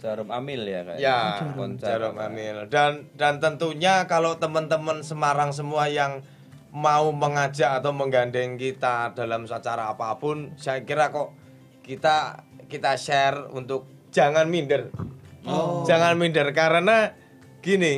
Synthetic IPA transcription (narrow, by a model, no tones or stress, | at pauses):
d͡ʒaɾʊmamɪlja̰ka̰jjand͡ʒaɾʊma̰mɪldandant̪ənt̪uɲakalot̪əmənt̪əmənsəmaɾaŋs̬əmuajaŋ | mauməŋḁd͡ʒaʔːt̪awməŋɡandɛŋkit̪ad̥alamsat͡ʃaɾaːpapʊnsajakiɾakɔʔ | kit̪akit̪aʃɛrṵnt̪ʊk̚ | d͡ʒ̥aŋanmindər | d͡ʒ̥aŋanmindərkaɾəna | ɡ̥ini